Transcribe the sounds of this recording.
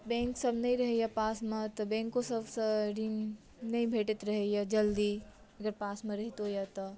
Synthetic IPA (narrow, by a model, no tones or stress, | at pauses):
bɛ̃ŋksəbʱnəjɾəɦejəpasmet̪əbɛ̃ŋkosəbʱsəɾin | nəjbʱeʈet̪ɾəɦejəd͡ʒəld̪i | əɡəɾpasmeɾəɦit̪ɦojat̪ɔ